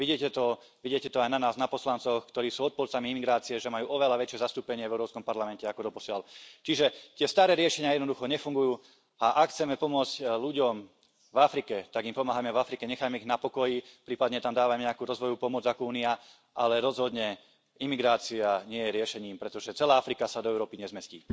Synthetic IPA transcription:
ʋiɟiɛcɛt̪ɔ | ʋiɟɪɛcɛt̪ɔajnanaːznapɔslant͡sɔxkt̪ɔɾiːsuːɔt̪̚pɔlt͡samiimiɡɾaːt͡siɛʒɛmajuːʔɔʋɛlaʋɛt͡ʃɪɛzast̪uːpɛɲɪɛvɛʊɾɔːpskɔmpaɾlamɛncɛakɔd̪ɔpɔsɪalt͡ʃiʒɛt̪ɪɛst̪aːɾɛːɾɪɛʃɛɲɪajɛd̪nɔd̪uxɔɲɛfuŋɡujuː | aʔakxt͡sɛmɛpɔmʊɔt͡scluɟɔm | vafɾikɛt̪aɡimpɔmaːɦamɛvafɾikɛɲɛxajmɛiɣnapɔkɔjipɾiːpad̪ɲɛt̪amd̪aːʋamɲɛakuːɾɔzʋɔjupɔmʊɔd͡zakɔuːnia | ʔalɛɾɔzɦɔd̪ɲɛ | imiɡɾaːt͡siaɲɪɛjɛɾɪɛʃɛɲiːmpɾɛt̪ɔʒɛt͡sɛlaːafɾikasad̪ɔɛʊɾɔːpiɲɛzmɛscḭː

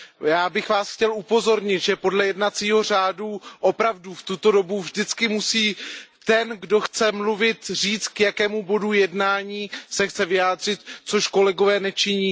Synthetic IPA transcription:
jaːbɪxvaːsxcɛlʔupo̞zo̞ɾɲɪt̪ʒɛpo̞dlɛjɛdnat͡siːɦo̞r̝aːduʔopɾavduft̪ut̪o̞do̞buvʒdɪt͡skɪmusiːt̪ɛnɡdo̞xt͡sɛmluvɪt̪r̝iːt͡st̪kjakɛːmubo̞dujɛdnaːɲiːsɛxt͡sɛvɪjaːd̪r̝̥ɪt̪t͡soʃko̞lɛɡovɛːnɛt͡ʃɪɲiː

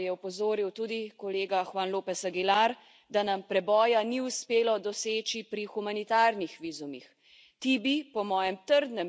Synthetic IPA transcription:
jɛɔpɔzoːɾiwt̪uːd̪ikɔleːɡaxwaːnloːpɛsaɡilaɾ | d̪anampɾɛbɔːjaniuspeːlɔd̪ɔseːt͡ʃipɾixumanit̪aːɾnixʋiːzumix | t̪ibipɔmɔːjɛmt̪əɾd̪nɛm

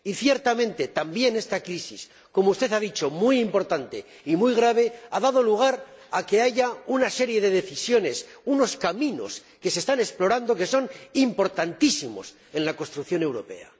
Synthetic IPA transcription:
iθje̞ɾt̪amẽ̞nt̪e̞t̪ambje̞ne̞st̪akɾisis | ko̞moust̪e̞θaðit͡ʃo̞mujimpo̞ɾt̪ant̪e̞ | imujɣɾaβ̞e̞aðað̞o̞luɣ̞aɾake̞aʝaunase̞ɾje̞ðe̞ðe̞θisjo̞ne̞suno̞skamĩno̞̰s | ke̞se̞st̪ane̞splo̞ɾand̪o̞ke̞so̞nimpo̞ɾt̪ant̪isimo̞̰s | e̞nlako̞st̪ɾukθjo̞ne̞wɾo̞pe̞̰a̰

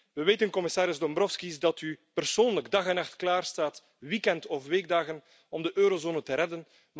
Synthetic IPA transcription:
ʋəʋeːtənkɔmɪsaːɾɪzdɔmbɾɔfskisdɑtypərsoːnləɡdɑɣɛnɑxtklaːrstaːt | wikɛntɔfʋeːɡ̚daːɣən | ɔmdəʔøːɾozoːnətəɾɛdən | m

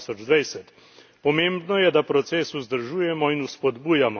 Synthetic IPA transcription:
sɔd͡ʒd̪ʋɛjsɛt̪ | pɔmeːmbnɔjɛd̪apɾɔt̪seːsuzd̪əɾʒuːjɛmɔinuspɔd̪buːjamɔ

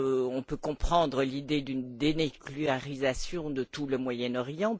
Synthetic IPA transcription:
ɔ̃pøkɔ̃pχɑ̃d̪ʁəlid̪ed̪ynd̪eneklyaʁizasjɔ̃d̪ət̪uləmwajɛnɔʁjɑ̃

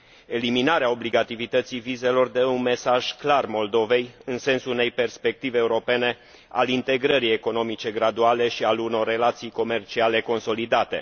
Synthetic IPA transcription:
e̞liminaɾeao̞bliɡat̪ivit̪ət̪sivize̞lo̞rd̪e̞unme̞saʒ̥klarmo̞ld̪o̞ve̞jɨnse̞nsuune̞jpe̞rspe̞k̚t̪iveːuɾo̞pe̞ne̞ | a̰lint̪e̞ɡɾəɾie̞ko̞no̞mit͡ʃe̞ɡɾad̪uale̞ʃialuno̞rːe̞lat̪sijko̞me̞rt͡ʃiale̞ko̞nso̞lid̪at̪e̞̰

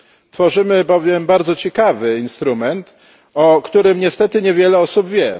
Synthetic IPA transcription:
t̪fɔʐɘmɘbɔvʲjɛmbaɾd̪zɔt͡ɕɛkavɘinst̪ɾumɛnt̪ | ɔkt̪uɾɘmɲɛst̪ɛt̪ɘɲɛvʲjɛlɛɔsubvʲjɛ

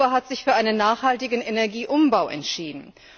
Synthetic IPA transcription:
ɐɦatz̥ɪçfyːɐʔaɪnənːaːχhaltɪɡn̩enɛɐɡiːʔʊmbaʊʔɛ̰ntʃiːdn̩

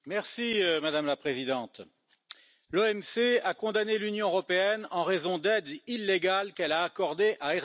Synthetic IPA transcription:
mɛʁsiømad̪amlapχezid̪ɑ̃t̪ | loɛmseakɔ̃d̪anelynjɔ̃øʁɔpeɛnɑ̃ʁezɔ̃d̪ɛd̪ilːeɡalkɛlaːkɔʁd̪eʔaɛʁ

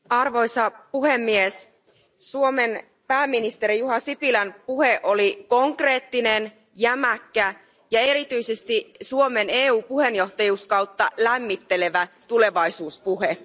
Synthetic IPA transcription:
ɑrʋo̞jsɑpuhe̞mːies | suomen | pæːmːinist̪eɾijuɦɑsipilænpuheʔoliko̞ŋkre̞ːt̪ːinen | jæmækːæ | jɑe̞ɾit̪yisest̪isuo̞me̞ne̞ːuːpuhe̞njo̞ht̪ɑjuːskɑwt̪ːɑlæmːit̪ːe̞le̞ʋæt̪ule̞ʋɑisuːspuɦe

